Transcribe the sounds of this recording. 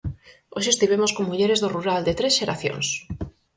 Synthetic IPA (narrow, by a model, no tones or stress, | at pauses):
oʃ̬est̪iβ̞emoskoŋmuʎeɾezðoruɾald̪et̪ɾesʃeɾaθjo̰ns